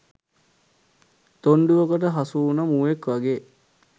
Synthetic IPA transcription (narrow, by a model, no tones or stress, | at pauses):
t̪oɳɖuʋokəʈəɦasuːnəmuːekʋaɡeː